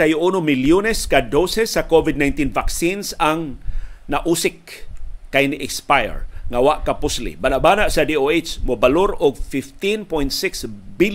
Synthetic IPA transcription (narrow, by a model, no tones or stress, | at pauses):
ajʊʔunomɪljonɛskad̪osɛsːakovɪd̪̚najnt̪invaksinsaŋnaʔuːsɪk̚ | kːajnɪʔɛkspajɛ̰ɹŋawaʔkapʊslḭbaːnaʔbanaʔsad̪ioet͡ʃmʊbaloɾʊɡfɪft̪inpojnt̪sɪksbɪl